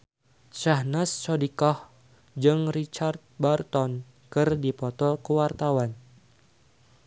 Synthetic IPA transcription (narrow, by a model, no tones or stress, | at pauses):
t͡ʃahnast͡ʃɔdikɔh | d͡ʒɨŋrit͡ʃart̪̚bart̪ɔn | kɨrdipɔt̪ɔkəwart̪awan